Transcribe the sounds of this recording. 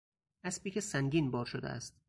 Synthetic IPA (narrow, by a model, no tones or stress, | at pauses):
ʔæspiːcʰʲesæŋɟiːnbɒːɾʃod̪ḛæ̰st̪̚